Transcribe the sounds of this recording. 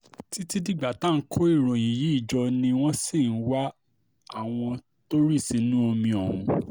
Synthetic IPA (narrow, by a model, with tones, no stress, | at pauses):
ti˦ti˦di˦ɡ͡ba˨tã˦˨˦kʰo˦i˦˨ɾɔ̃˨j̃ĩ˨ji˨˦i˦˨d͡ʒɔ˧nĩ˧w̃ɔ̃˦si˦˨n̩˦wa˦ | a˦˨w̃ɔ̃˧ | to˦ɾi˦˨si˨˦nũ˦o˧mĩ˧ɔ˨hṵ̃˧